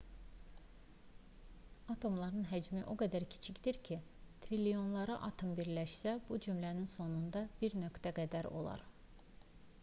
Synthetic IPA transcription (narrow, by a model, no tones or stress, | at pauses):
ɑt̪ʰo̞mlˠɑɾɯnɦæd͡ʒmiʔo̞ɡæd̪æɾcʰi̥t͡ʃʰicd̪iɾcʰit̪ʰɾilijo̞nlˠɑɾɑʔɑt̪ʰombiɾlæʃsæbud͡ʒymlæninso̞nund̪ɑbiɾnø̞kt̪æɡæd̪æɾo̞̰lˠɑ̰ɾ